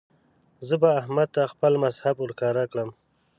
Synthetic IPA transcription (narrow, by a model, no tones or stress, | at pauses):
zəbaːhmad̪̚t̪axpəlmazhabʊɾkɑɾakɽəm